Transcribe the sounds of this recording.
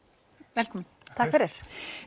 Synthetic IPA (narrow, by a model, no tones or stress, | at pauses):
vɛlkʰɔmɪnt̪ʰakfɪɾɛɾ̥